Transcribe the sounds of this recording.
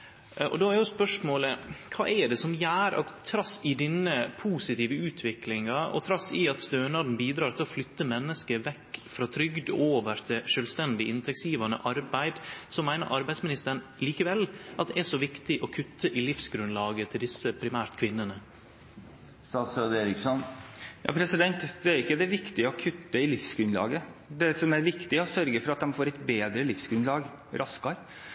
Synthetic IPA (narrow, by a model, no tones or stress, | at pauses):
ʔɔ̰d̪oːæɾjʊspœʂmoːləkʰɑ̰ːʔɛɖɛsɔmjæːɾɑ̰t̪ʰːɾɑsɪd̪ɪnːəpʰuːsɪt̪iːʋəʉːt̪ʰʋɪklɪŋɑɔ̰t̪ʰɾɑsɪɑt̪st̪øːnɑd̪n̩biːd̪ɾɑːɾt̪ʰɪlɔflʏt̪ːəmɛnːəskəʋɛkːfɾɑt̪ʰɾʏɡd̪oːʋəɾt̪ʰɪʂøːlst̪ɛnd̪ɪʔɪnt̪ʰɛksiːʋɑnə̰ʔɑɾbæɪd̪sɔmːæɪnə̰ɾʔɑɾbæɪd̪smɪnɪst̪əɳliːkəʋɛlʔɑt̪̚d̪ɛæʂɔʋɪkt̪ɪʔɔkʰʉt̪ːəʔɪlɪfsɡɾʉnlɑːɡət̪ʰɪld̪ɪsːəpʰɾɪmæːɾt̪kʰʋɪnːənə | st̪ɑːt̪sød̪eːɾɪksɔnjɑ̰ːpʰɾɛsɪd̪ɛnt̪d̪ɛæɾɪkːəd̪ɛʋɪkt̪ɪəɔkʰʉt̪ːəɪlɪfsɡɾʉnlɑ̰ːɡəd̪ɛsɔmæɾʋɪkt̪ɪɔsœɾɡəfɔɾɑt̪̚d̪ɛmfoːɾɛt̪beːd̪ɾəlɪfsɡɾʉnlɑːɡ | ɾʔɑskɑɾ